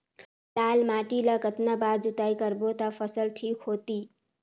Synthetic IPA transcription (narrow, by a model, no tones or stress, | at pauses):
t̪aːlmaːʈiləkət̪nabaːd͡ʒut̪aːikəɾbot̪afʰəsəlʈʰiːkɦoːt̪iː